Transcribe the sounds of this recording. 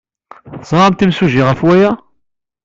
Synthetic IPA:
zˤʁɑmt̪imsuʒiʁæfwæjæ

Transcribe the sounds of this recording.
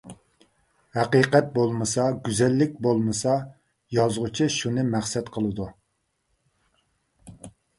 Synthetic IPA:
hæqiːqɛt̪̚bolˠmɨsɑɡʲyzɛlːɪk̚ʲbolˠmɨsɑ | jɑzʁʊt͡ʃʰiʃunɨmæχsɛt̪qʰəlˠɨd̪u

